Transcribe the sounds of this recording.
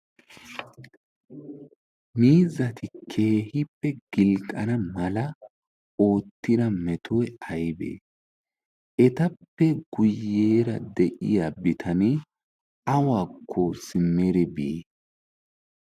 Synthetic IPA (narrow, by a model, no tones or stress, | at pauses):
miːzɐt̪ʰɪkʰe̞ːhɪpːɛɡ̥ɪlkʼːɐ̰nɐmɐlɐ | o̞ːt̪ːɪd̪ɐmɛt̪ʰɔjɐjbḛː | ʔɛt̪ɐpːɛɡ̥ʊjːeːɾɐd̪ɛʔɪ̰jabɪt̪ʰɐnɛ | ɐwaːkʰːɔsɪmːeɾɛbi